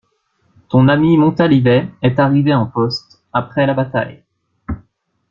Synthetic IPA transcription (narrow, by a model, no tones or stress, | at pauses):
t̪ɔ̃namimɔ̃t̪alivɛɛt̪aʁiveɑ̃pɔst̪ | apχɛlabat̪a̰j